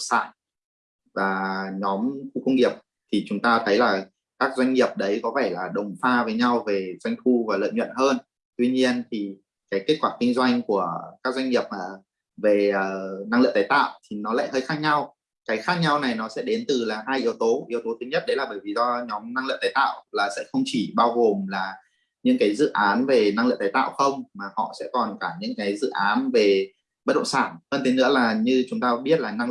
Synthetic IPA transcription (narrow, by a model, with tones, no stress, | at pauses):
sa̰ː˧˨n | vaː˨˩ɲɔ˨˦mxu˧kʊ˧wŋ͡mŋi˨˩əp̚ | t̪ʰi˨˩t͡ɕʊ˨˦ŋ͡mt̪aː˧t̪ʰə˨˦jlaː˨˩ | kaː˦˥k̚zwa˧jŋ̟ŋi˨˩əp̚ɗə˨˦jkɔ˨˦faː˧˩laː˨˩ɗə˨˩wŋ͡mfaː˧vəː˨˦jɲa˧wve˨˩zwa˧jŋ̟xu˧vaː˨˩lə̰ː˧˨jɲwə̰˧˨nhəː˧n | t̪wi˧ɲi˧ənt̪ʰi˨˩ | kaː˨˦jke˦˥t̚kwaː˧˩kï˧ŋ̟zwa˧jŋ̟ku˧˩əkaː˦˥k̚zwa˧jŋ̟ŋi˨˩əp̚maː˨˩ | ve˨˩əː˨˩na˧ŋlɨ̰˧˨t̪ːjt̪a̰ː˧˨wt̪ʰi˨˩nɔ˨˦la̰ː˧˨jhəː˧jxaː˦˥k̚ɲa˧w | kaː˨˦jxaː˦˥k̚ɲa˧wna˨˩jnɔ˨˦sɛ̰˧˥ɗe˨˦nt̪ɨ˨˩laː˨˩ɦaː˧jʔi˨˦əwt̪o˨˦ʔi˨˦əwt̪o˨˦t̪ʰɨ˨˦ɲə˦˥t̚ɗə˨˦laː˨˩ɓəː˧˩jvi˨˩zɔ˧ɲɔ˨˦mna˧ŋlɨ̰˧˨ŋt̪aː˨˦jt̪a̰ː˧˨wlaː˨˩sɛ̰˧˥xə˧wŋ͡mt͡ɕi˧˩ɓaː˧wɣo˨˩mlaː˨˩ | ɲɨ̰˧˥ŋkaː˨˦jzɨ̰˧˨ʔaː˨˦nve˨˩na˧ŋlɨ̰˧˨ŋt̪aː˨˦jt̪a̰ː˧˨wxə˧wŋ͡mmaː˨˩hɔ̰˧˨sɛ̰˧˥kɔ˨˩nkaː˧˩ɲɨ̰˧˥ŋkaː˨˦jzɨ̰˧˨ʔaː˨˦nve˨˩ | ɓə˦˥t̚ɗə̰˧˨ŋ͡msaː˧˩nhəː˧nt̪e˨˦nɨ̰˧˥əlaː˨˩ɲɨ˧t͡ɕʊ˨˦ŋ͡mt̪aː˧ɓi˦˥ət̚laː˨˩na˧ŋ